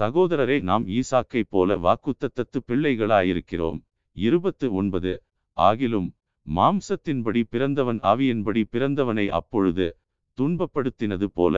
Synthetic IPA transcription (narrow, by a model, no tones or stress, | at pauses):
sɐɣoːðɐɾɐɾɐɪnaːmiːsaːkɐɪpːo̰ːlɐ̰ʋa̰ːkɯt̪ːɐt̪ːɐt̪ːɯpːɪɭːɐɪɣɐɭaːjɪɾɯkːɪro̰ːm | ɪɾɯbɐt̪ːɯɔɳbɐðɯ | ʔa̰ːɣɪlɯmː | aːmsɐt̪ːɪnpɐɽipɪɾɐnd̪ɐʋɐnʔa̰ːʋɪjɪnbɐɽipɪɾɐnd̪ɐʋɐnɐɪʔɐ̰pːɔɻɯðɯ | t̪ʊɳbɐpːɐɽɯt̪ːɪnɐðɯpo̰ːlɐ̰